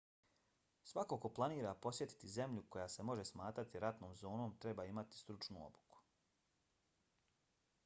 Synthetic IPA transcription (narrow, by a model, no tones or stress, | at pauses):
sʋako̞ko̞plˠaniːɾapo̞sje̞t̪i̥t̪ize̞mʎuko̞jase̞mo̞ʒe̞smaːt̪ɾat̪iɾat̪noːmzo̞ːno̞ːmt̪ɾebaːimat̪i̥st̪ɾut͡ʃnṵo̞̰bu̥ku̥